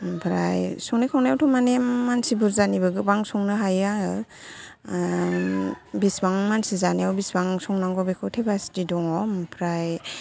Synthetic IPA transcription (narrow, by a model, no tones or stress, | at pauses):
pʰɾa̰jsɔŋnekʰawnajawtʰɔmanemːansibuɾzanibɯɡɯbaŋsɔŋnɯɦajaŋɯ | bisbaŋmansizanijawbisbaŋsɔŋnaŋɡɔbekʰɯwtʰebasdidɔŋɔmpʰɾaj